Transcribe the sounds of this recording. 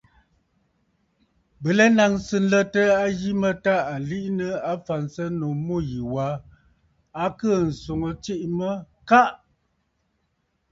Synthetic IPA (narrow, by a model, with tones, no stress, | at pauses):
bə˨lɛ˦na˨ŋsɨ˨n̩˦lə˦tə˦a˦ɣi˦mə˦ta˦a˨li˦ʔnə˦a˦fa˨nsə˦no˨mo˦˨ji˨wa˨˦ | a˨kə˦˨n̩˨so˨ŋə˨t͡ʃi˦ʔmə˦ | ka˦ʔ